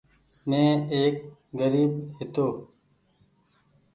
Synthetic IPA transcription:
mẽːeːk̚ɡəɾiːbhɪt̪oː

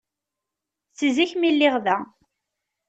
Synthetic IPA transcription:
θziçmilːɪʁðæ

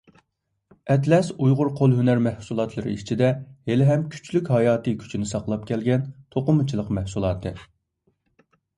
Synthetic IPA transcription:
ɛt̪lɛsujʁʊɾqʰolˠɦynæɾmɛhsulˠɑt̪ʰlˠɨɾɨ̰iʃt͡ʃʰid̪ɛhelɪɦɛmkʲʰy̥t͡ʃlykʲhɑjɑːt̪ɨkʲʰy̥t͡ʃʰinɪsɑqlˠɑp̚kʲʰɛlɡʲɛnt̪ʰoqʊmɨt͡ʃʰilˠəqmɛhsulˠɑːt̪ʰɨ

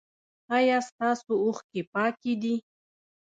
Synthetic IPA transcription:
ajɑst̪ɑsoʊxkepɑkid̪i

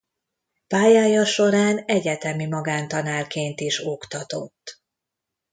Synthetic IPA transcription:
paːjaːjɒʃo̞ɾaːnɛɟɛt̪ɛmimɒɡaːnt̪ɒnaːrkeːnt̪iʃo̞kt̪ɒt̪o̞t̪ː

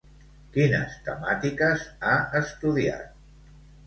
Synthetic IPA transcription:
kinə̰st̪ə̰mat̪ikəzaəst̪uðia̰t̪̚

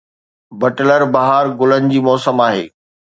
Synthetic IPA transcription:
bɐʈləɾbaɦaːɾɡʊlənɪ̆d͡ʑiːmɔːsəmaːɦḛː

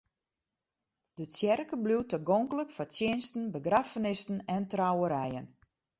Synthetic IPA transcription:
d̥əsjɛrkəblutəɡoŋkələkfasjɪnstn̩bəɡrafənɪstn̩ɛntrawəɾɛjən

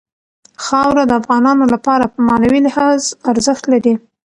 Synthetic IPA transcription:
xɑwɾad̪əafɣɑnɑnolapɑɾapəmɑnawilɪhɑzaɾzəxt̪laɾi

